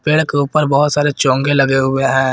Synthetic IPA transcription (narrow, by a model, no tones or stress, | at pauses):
peːɽkeuːpəɾbɔɦʊt̪saːɾet͡ʃɔ̃ːŋɡelɐɡeɦʊeɦɛ̃ː